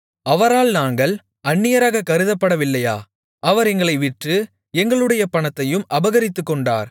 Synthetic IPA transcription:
ɐʋɐɾaːlnaːŋɡɐɭ | ɐɳːɪjɐɾaːɣɐkɐɾɯðɐpːɐɽɐʋɪlːɐja̰ː | ʔɐʋɐɾɛŋɡɐɭɐɪʋɪʈrɯ | ɛŋɡɐɭɯɽɐjɐpɐɳɐt̪ːɐjɯmʔɐbɐɣɐɾɪt̪ːɯkːɔɳɖa̰ːɾ

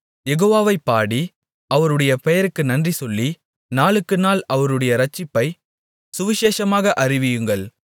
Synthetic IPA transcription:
jɛɣoːʋaːʋɐɪpːaːɽi | ɐʋɐɾɯɽɐjɐpɛjɐɾɯkːɯnɐndrisɔlːi | naːlɯkːɯnaːlɐʋɐɾɯɽɐjɐɾɐt͡ʃːɪpːɐɪ | sʊʋɪʃeːʂɐmaːɣɐʔɐrɪʋɪjɯŋɡɐɭ

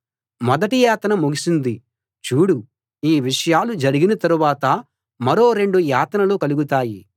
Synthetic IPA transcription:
mɔd̪ɐʈijaːt̪nɐmuɡisind̪i | t͡ʃuːɽu | iːʋiʂɐjaːlud͡ʒɐɾiɡinɐt̪ɐɾuʋaːt̪ɐ | mɐɾo̞ːɾe̞ɳɖujaːt̪ɐnɐloːkɐluɡut̪aːji

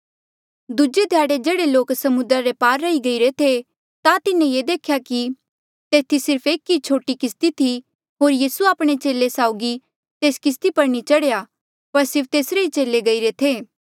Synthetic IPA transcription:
d̪ud͡ʒed̪ʱjaːɽed͡ʒeːɽeloːksɐmʊd̪ɾaɾepaːɾːɐiɡɐiɾet̪ʰe | t̪at̪ɪnẽjed̪eːkʰjaki | t̪eːt̪ʰisɪɾpʰeːkːit͡ʃʰoːʈikɪst̪it̪ʰi | ɦoːɾjiːsuaːpɽ̃et͡ʃeːlesaːʊɡi | t̪eːskɪs̬t̪ipɐɾnit͡ʃɐɽja | pɐɾsɪɾpʰt̪eːsɾeit͡ʃeːleɡɐiɾet̪ʰeː

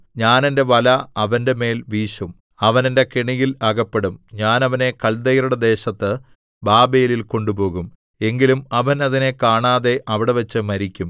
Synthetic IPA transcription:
ɲaːnende̞ʋɐlɐɐʋɐnde̞me̞ːlʋiːɕum | ɐʋɐnende̞kiɳijilɐːɣɐpːe̞ɽumɲaːnɐʋɐne̞kɐɭd̪ɐjɐɾuɽed̪e̞ːɕɐt̪ːɨ | baːbejililko̞ɳɖubo̞ːɣum | e̞ŋɡilumɐʋɐnɐðine̞kaːɳaːðe̞ʔɐʋiɽe̞ʋɐt͡ɕːɨmɐɾikʲːum

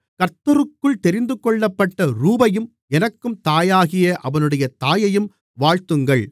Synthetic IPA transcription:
kɐɾt̪ːɐɾɯkːɯɭt̪ɛɾɪnd̪ɯkːɔɭːɐpːɐʈːɐɾuːbɐjɯm | ɛnɐkːɯmt̪aːjaːɣɪjɐʔɐʋɐnɯɽɐjɐt̪aːjɐjɯm | ʋaːɻt̪ɯŋɡɐɭ

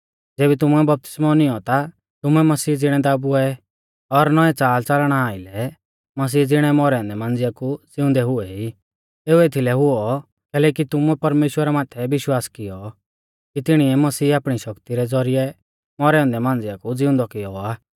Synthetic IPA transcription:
d͡zeːbit̪ʊmuɛbɐp̚t̪ɪ̥smɔnɪɔt̪a | t̪ʊmuɛmɐsiːd͡zɪɽ̃ɛ̃d̪aːbuɛ | ɔɾnɔɛt͡saːlt͡salɽ̃aaːɪlɛ | mɐs̬iːd͡zɪɽ̃ɛmɔɾɛɔ̃ːnd̪ɛmãːnd͡zɪjakud͡zɪʊ̃nd̪ɛɦʊɛi | eːueːt̪ʰilɛɦʊɔ | kɛːlɛːk̬it̪ʊmuɛpɐɾmeːʃwəɾamaːt̪ʰɛbɪʃwaːskɪjɔ | kit̪ɪɽ̃iɛmɐsiːaːpɽ̃iʃɐkt̪iɾɛd͡zɔɾijɛ | mɔɾɛɔ̃nd̪ɛmãːnd͡zɪjakud͡zɪʊ̃nd̪ɔkɪjɔaː

